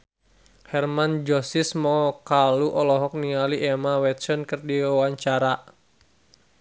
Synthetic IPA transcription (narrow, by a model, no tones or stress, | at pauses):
hɛrmand͡ʒɔsismɔkaluʔɔlɔɦɔk̚nialiʔɛmawɛt̪sɔnkɨrdiwawaɲt͡ʃaɾa